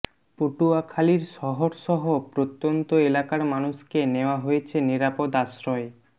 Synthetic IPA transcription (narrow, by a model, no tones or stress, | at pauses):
poʈuakʰaliɾʃɔɦoɾʃɔɦopɾot̪ːont̪oelakaɾmanuʃkeneoaɦojet͡ɕʰeniɾapod̪aʃɾɔe